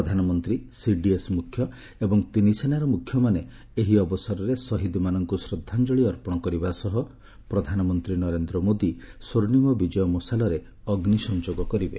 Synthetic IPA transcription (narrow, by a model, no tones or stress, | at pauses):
ɔd̪ʱanɔmɔnt̪ɾisiɖiesmukʰjɔ | ebɔŋt̪inisʰenaɾɔmukʰːjɔmane | eɦiɔbɔsɔɾɔɾesɔɦid̪imanɔŋkusɾɔd̪ʱːand͡ʒɔɭiɔɾpɔɽ̃ɔkɔɾibasɔɦɔ | pɾɔd̪ʱanɔmɔnt̪ɾinɔɾend̪ɾɔmod̪isoɾnimɔbid͡ʒɔjɔmɔsalɔɾe | ɔɡnisɔnd͡ʒoɡɔkɔɾibe